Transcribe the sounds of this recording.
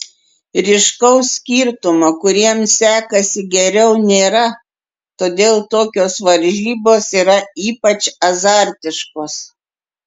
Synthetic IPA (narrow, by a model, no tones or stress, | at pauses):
ɾʲɪʃkɐʊsʲsʲkʲiːɾt̪ʊmokʊɾʲiɛmsʲæːkɐsʲɪɡʲɛɾʲɛʊnʲeːɾɐ | t̪oːd̪ʲeːlˠt̪oːkʲoːsʋɐɾʲʒʲiːboːsiːɾɐiːpɐt͡ʃɐzɑˑɾʲt̪ʲɪʃkoːs